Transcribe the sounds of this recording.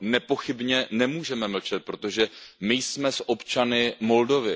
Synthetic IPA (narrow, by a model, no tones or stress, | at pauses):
nɛpo̞xɪbɲɛnɛmuːʒɛmɛml̩t͡ʃɛt̪̚pɾo̞t̪o̞ʒɛmɪjsmɛsʔo̞pt͡ʃanɪmo̞ldo̞vɪ